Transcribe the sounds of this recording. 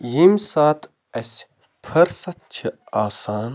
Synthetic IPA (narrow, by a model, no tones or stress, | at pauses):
jimsaːt̪ | æsʲ | pʰɐɾsɐt̪̚t͡ʃʰɨaːsaːn